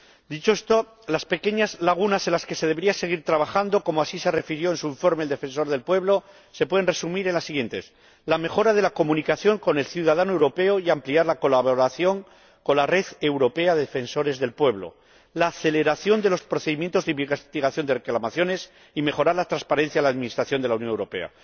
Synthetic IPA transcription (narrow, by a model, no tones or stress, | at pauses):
d̪it͡ʃo̞est̪o̞ | laspe̞ke̞ɲazlaɣ̞unase̞nlaske̞se̞ð̞e̞βɾiase̞ɣ̞iɾt̪ɾaβaxand̪o̞ko̞moasise̞re̞fiɾjo̞ensuiɱfo̞ɾmeld̪e̞fe̞ns̬o̞ɾðe̞lpwe̞βlo̞ | se̞pweðnre̞sumiɾe̞nlasːiɣje̞nt̪e̞̰s | lame̞xo̞ɾað̞e̞lako̞mũnikaθjo̞ŋko̞ne̞lθjuð̞aðanoe̞wɾo̞pe̞oiampliaɾlako̞laβoɾaθjo̞ŋ | ko̞nlare̞ðe̞wɾo̞pe̞aðeðefe̞nso̞ɾe̞zðe̞lpwe̞βlo̞̰ | laːθe̞le̞ɾaθjo̞nd̪e̞lo̞spɾoθe̞ðimje̞nt̪o̞zðemest̪iɣaθjo̞nd̪e̞reklamaθjo̞ne̞s | ime̞xo̞ɾaɾlat̪ɾanspaɾe̞n̟θjalaðmĩnist̪ɾaθjo̞nd̪elaunjonewɾo̞pe̞̰a̰